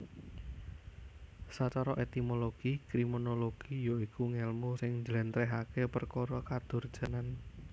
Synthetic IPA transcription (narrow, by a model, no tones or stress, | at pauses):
sat͡ʃɔɾɔʔet̪imoloɡ̥ikɾimonoloɡ̥ijoikuŋɛlmusɪŋd͡ʒəlɛnt̪ɾɛɦakepərkoɾɔkad̪̥ʊ̤rd̥ʒ̥a̤nan